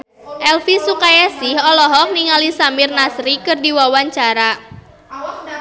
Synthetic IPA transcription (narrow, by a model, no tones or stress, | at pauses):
ʔɛlfisukajasɪhɔlɔɦɔk̚niŋalisamirnasɾikɨrdiwawaɲt͡ʃaɾa